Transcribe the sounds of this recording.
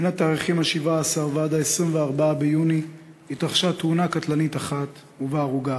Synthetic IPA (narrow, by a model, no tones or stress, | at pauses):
nataːʁiχimaʃivaːsaʁveadaesʁimveaʁbaabejuni | it̪ʁaχʃat̪hunakat̪lanit̪aχat̪ | uvaːʁuɡa